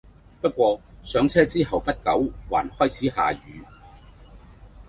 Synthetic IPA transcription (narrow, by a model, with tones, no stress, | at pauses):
pɐ˥t̚kʷɔː˧sœː˨˥ŋt͡sʰɛː˥t͡siː˥ɦɐ˨˩wpɐ˥t̚kɐ˨˥wwa̰ː˨˩nhɔː˥jt͡sʰiː˨˥ha̰ː˨ɥyː˨˧